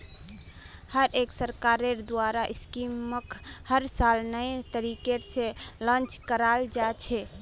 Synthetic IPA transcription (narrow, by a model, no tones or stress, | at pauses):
həɾeksəɾkaɾeɾd̪waɾaʔiskiməkhəɾsalnəjt̪əɾikeɾselə̃nt͡ʃkəɾald͡ʒat͡ʃʰɛ